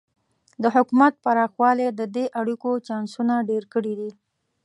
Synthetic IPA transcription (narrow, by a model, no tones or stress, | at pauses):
d̪əɦʊkumat̪̚paɾɑxwɑled̪əd̪eʔaɽikot͡ʃɑnsunaɖeɾkəɽid̪i